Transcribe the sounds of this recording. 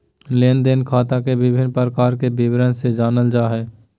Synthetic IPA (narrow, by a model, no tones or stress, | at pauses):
leːnd̪enkʰaːt̪akebɪbʱɪnːpɾəkaːɾkebɪwɾənsed͡ʒaːnəld͡ʒaːɦɛː